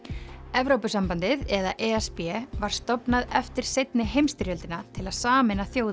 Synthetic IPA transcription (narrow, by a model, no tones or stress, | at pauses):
ɛvɾowpʏsampant̪ɪðɛða̰ʔɛɛspɛvaɾ̥st̪ɔpnaðɛft̪ɪɾ̥sejt̪nɪɦejmst̪ɪɾjœlt̪ɪnat̪ʰɪlaðsaːmɛnaθjoːwð